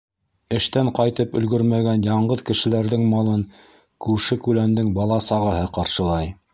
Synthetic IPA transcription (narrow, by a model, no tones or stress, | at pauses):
ɘ̆ʃt̪æɴqɑjt̪ɤpɵ̆lɡɵɾmæɡænjɑɴɢɤðkɘ̆ʃɘ̆læɾðɘŋmɑlˠɤŋ | kʉɾʃɘkʉlænd̪ɘŋbɑlˠɑsɑʁɤ̆ɦɤqɑɾʃɤ̆lˠɑj